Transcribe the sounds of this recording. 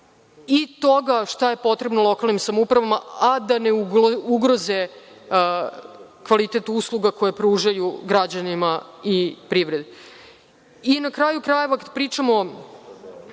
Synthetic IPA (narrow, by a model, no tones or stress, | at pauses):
it̪o̞ɡaʃt̪aje̞po̞t̪ɾe̞bnolˠo̞kalˠnimsamoupɾaʋamaad̪aneuuɡɾo̞ze | kʋalit̪et̪uslˠuɡako̞jepɾuːʒajuɡɾad͡ʑanimaipɾiʋɾed̪e | inakɾaːjukɾaːje̞ʋakad̪̚pɾiːt͡ʃamo̞